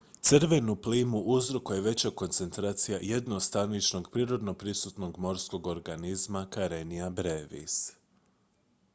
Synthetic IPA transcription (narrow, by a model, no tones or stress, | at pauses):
t̪sɨɾʋe̞nupliːmuʔuzɾokuje̞ʋe̞t͡ɕako̞nt̪se̞nt̪ɾaːt̪sijajed̪no̞st̪anit͡ʃno̞ɡpɾiːɾo̞d̪no̞pɾisut̪no̞ɡmo̞ɾsko̞ɡo̞ɾɡanizmakaɾeniabɾeʋḭs